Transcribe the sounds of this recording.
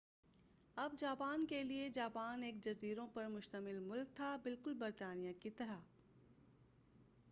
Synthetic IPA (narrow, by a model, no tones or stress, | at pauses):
ɐbd͡ʒaːpaːnkelied͡ʒaːpaːneːk̚d͡ʒɐziːɾõpɐɾmʊʃt̪əmɪlmʊlk̚t̪ʰabɪlkʊlbɐɾt̪aːnijakit̪ɐɾa